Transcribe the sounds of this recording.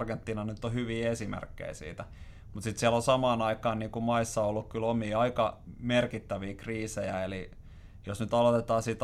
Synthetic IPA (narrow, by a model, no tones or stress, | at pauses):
rɡent̪ːiːnɑnyt̪ːohyʋiːesimḛrkːḛisḭːt̪æ | mut̪sit̪siælosɑmɑːnɑikˑɑːnniːŋkumɑisːɑolːukkylomiːɑikɑmerkit̪ːæʋiːkriːsejæeli | josnyt̪ɑlot̪et̪ɑːsit̪